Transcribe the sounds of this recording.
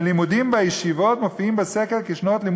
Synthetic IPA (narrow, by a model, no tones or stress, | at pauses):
limud̪imbejeʃivo̞t̪mofiimbesekelkeʃnot̪lim